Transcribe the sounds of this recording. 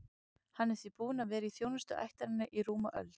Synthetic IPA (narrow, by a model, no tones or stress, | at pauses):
hanːɛ̥θipuːʏnavɛːɾɪiθjownʏst̪ʏ̰ʔa̰jht̪aɾɪnːɪʔiɾuːma̰ʔœ̰lt̪